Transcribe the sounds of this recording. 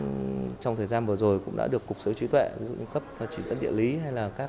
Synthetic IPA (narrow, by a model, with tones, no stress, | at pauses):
t͡ɕɔ˧wŋ͡mt̪ʰəː˨˩jzaː˧nvɨ˨˩zo˨˩jkʊ̰˧˥ŋ͡mɗa̰ː˧˥ɗəkːʊ˨˩k͡p̚sə˨˦wt͡ɕi˨˦t̪wɛ̰˧˨vi˨˦zṵ˧˨ɲɨ˧˩ŋ͡mkə˦˥p̚vaː˨˩t͡ɕi˧˩zə̰˧˥nɗḭ˧ənli˨˦ɦa˧jlaː˨˩kaː˦˥